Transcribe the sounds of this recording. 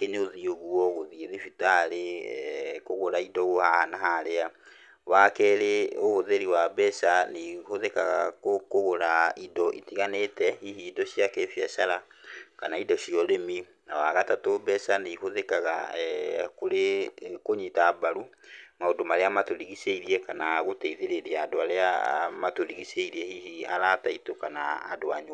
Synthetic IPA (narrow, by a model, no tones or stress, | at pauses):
keneoðioɣuɔɣoðieðifitaɾe | koɣoɾaidɔɣohahanaɦaɾea | wakɛɾeoɣoðeɾiwabɛʃanihoðekaɣa̰kokoɣoɾaidɔʔitiɣanetɛihiːdɔʃjakefjaʃaɾakanaidɔɕiɔɾemi | nawaɣatatobɛsaneihoðɛkaɣa̰ɛkoɾekoɲitabaɾumaodomaɾeamatoɾiɣiseiɾiɛkanaɣoteiðeɾeɾiaadoaɾeamatoɾiɣiseiɾiɛhihia̰ɾataitokana̰ːdoaɲo